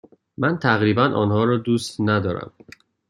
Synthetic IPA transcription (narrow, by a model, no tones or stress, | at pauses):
mænt̪ʰæɣɾiːbænʔɒ̰ːnhɒːɾɒːd̪uːst̪næd̪ɒːɾæ̰m